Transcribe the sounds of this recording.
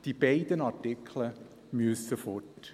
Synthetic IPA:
d̥ibaɪdənɑtɪkʰlə | myəsəfɔt

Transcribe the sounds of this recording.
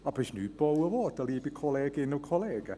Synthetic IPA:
apʰɪsnyːbowəvɔːdəliːbikʰɔlɛːɡɪnəlkʰɔlɛːɡə

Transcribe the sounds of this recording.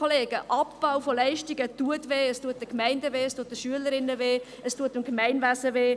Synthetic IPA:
oleːɡəʔɑp̚b̥aʊfolɛɪʃtiɡətuətʋeːəstuət̚dəkmæɪndəʋeːəstuət̚dəʃyələɾɪnːəveː | əstuətəmkmæɪnvæsəveː

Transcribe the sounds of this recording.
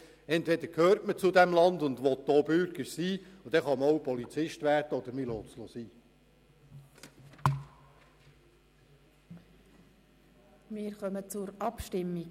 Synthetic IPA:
ɛntʋɛd̪əɾkʰhøːɾtmət͡sʊd̪æmlɑnd̪ʊnd̪ʋɔt̚doːbʏɾɡəɾsiːud̥̪ɛχɑməɔwpɔlit͡sɪʃtʋæːrdəɔd̪əɾmilɔːtslosiː | mɪːɾχœmət͡sʊɾɑpʃtɪmːi

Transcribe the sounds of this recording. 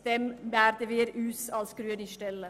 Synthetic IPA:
t̪ɛmbæːɾd̪əʋeːɾʉːsɑlskɾʉːənɪʃʈɛlːə

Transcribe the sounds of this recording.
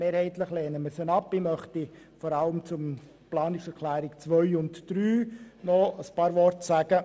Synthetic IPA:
meːɾhɛɪtləχleːnəməsənɑpːɪmœχti | fɔɾɑləmt͡sʊm | plɑːnɪksɛɾkʰlæːɾɪkt͡sʋœʏʊntd̥ɾyːnɔəspɑːɾʋɔrtsæɡ̥ə

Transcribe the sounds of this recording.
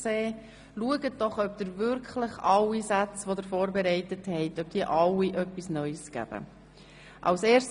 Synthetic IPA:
seː | luəɡət̚d̥ɔχœp̚d̥̪əɾvʏɾkχləχɑwisat͡sʋod̪əɾfoːɾbɛɾɛɪtəthɛɪtœp̚d̥iːəʔɑwiʔœpːisnœʏsɡ̥æ̰b̥ə̰ | ʔɑ̰ʊseːɾst

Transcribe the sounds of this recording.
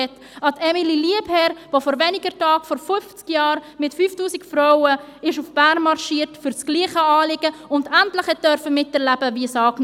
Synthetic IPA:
ɛt | ɑtɛmililiəbhɛɾvofɔɾvɛnɪɡəɾtɑːkfɔɾfʏft͡skjɑːɾmɪtfyːftuːsɪkfɾɔwə | ɪʃʊfb̥æːnmɑɾʃiːəɾtfʏɾt͡sɡ̥liːχəɑːlɪɡ̥əʊndæntləχɛt̚d̥œɾfəmɪtɛɾlæbəviəsɑːkn

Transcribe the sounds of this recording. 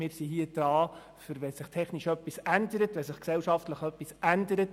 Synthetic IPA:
mɪːɾsiɦiəd̥ɾɑː | fʏɾʋɛsɪχtʰɛχniʃœpːisændəɾətʋɛsɪχksɛwʃɑftləχœpːisændəɾət

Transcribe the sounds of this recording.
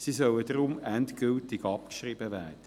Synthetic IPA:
sisœwədɾʊmɛntkʏltɪɡɑp̚kʃriːbəvɛːd̥ə

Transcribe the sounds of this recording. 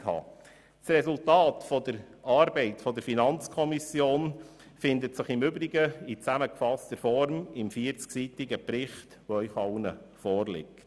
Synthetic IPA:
hɑ̰ː | srɛsultɑːtfɔd̥əɾɑːɾbɛɪtfɔd̪əɾfinɑnt͡skʰɔmisjoːn | fɪnd̪ətsəχɪmʏbɾɪɡəit͡sæməkfɑstəɾfɔɾmɪmfiəɾt͡sksitɪɡəpɾɪχt | ʋoœʏχɑwnəfɔːrlɪ̰kt

